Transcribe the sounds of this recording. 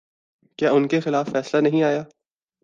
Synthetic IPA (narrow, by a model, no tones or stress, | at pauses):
kjaːʊnkexɪlaːfːɛːslanɐɦĩaːjaː